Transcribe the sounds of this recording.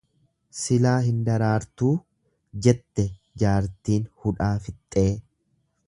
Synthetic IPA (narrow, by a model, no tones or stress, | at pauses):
sɪlaːɦɪnd̪ɐɾaːɾt̪uː | d͡ʒɛt̪ːɛ | d͡ʒaːɾt̪iːnhʊᶑaːfɪt̪ʼːeː